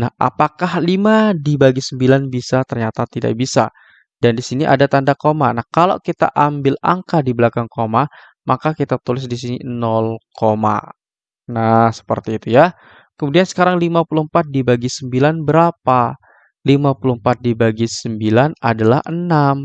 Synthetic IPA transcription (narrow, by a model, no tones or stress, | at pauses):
nahʔa̰pakahlimadibaɡisəmbilanbisat̪ərɲat̪at̪ida̰ʔ̚bisa̰ | dandisiniʔa̰dat̪andakomanahkalo̰kit̪a̰ʔambɪla̰ŋkadibəlakaŋkoma | makakit̪at̪ulɪs̬dis̬ininɔlkoma̰ | nahsə̥pə̰rt̪iːt̪uja | kəmudiansə̥kaɾaŋlimapuluhəmpat̪̚dibaɡisəmbilanbəɾapa | limapuluhəmpat̪̚dibaɡisəmbilanadala̰hənam